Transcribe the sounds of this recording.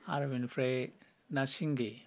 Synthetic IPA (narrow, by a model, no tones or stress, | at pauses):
aɾʋinfɾe | nasiŋɡi